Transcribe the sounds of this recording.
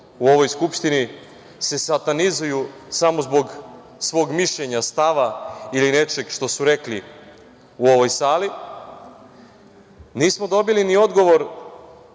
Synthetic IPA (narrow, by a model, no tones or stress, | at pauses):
uo̞ʋo̞jskupʃt̪ini | se̞sat̪anizuju | samozbo̞ɡ | sʋo̞ːɡmiʃʎe̞ɲast̪aʋailine̞t͡ʃe̞ɡʃt̪o̞suɾe̞kli | uo̞ʋo̞jsaːli | niːsmod̪o̞bilinio̞d̪ɡo̞ʋo̞ɾ